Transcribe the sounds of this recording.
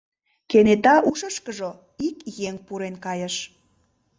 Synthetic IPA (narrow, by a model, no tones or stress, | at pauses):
kenet̪ɑʔuʃəʃkəʒo | ikjeŋpuɾenkɑjəʃ